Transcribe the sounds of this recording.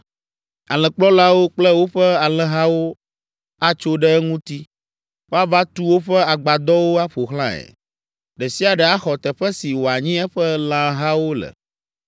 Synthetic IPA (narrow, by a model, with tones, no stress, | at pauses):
a̰˨lɛ̃˨k͡plɔ˦la˦wo˦k͡plɛ˦wo˦ɸɛ˦a˨lɛ̃˨ɦa˦wo˦ | a˦t͡ʃo˦ɖɛ˦ɛ˦ŋũ˦t̪i˦ | wo˦a˦va˦t̪u˦wo˦ɸɛ˦a˨ɡ͡ba˨d̪ɔ˦wo˦a˦ɸo˨xlã˦ɛ̰˨ | ɖɛ˨si˦a˨ɖɛ˨a˦xɔ˨t̪ɛ˨ɸɛ˦si˨wo˨a˨ɲĩ˦ɛ˦ɸɛ˦lã˦ɦa˦wo˦lɛ̰˨